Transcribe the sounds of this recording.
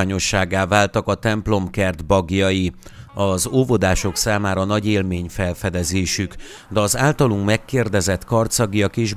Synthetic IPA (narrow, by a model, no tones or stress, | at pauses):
aːɲo̞ʃːaːɡaːvaːlt̪ɒkɒt̪ɛmplo̞mkɛrd̪bɒɡjɒji | ɒzoːvod̪aːʃo̞ksaːmaːɾɒnɒɟeːlmeːɲfɛlfɛd̪ɛzeːʃyk | d̪ɛɒzaːlt̪ɒluŋkmɛkːeːrd̪ɛzɛt̪kɒrt̪sɒɡijɒkeːʒ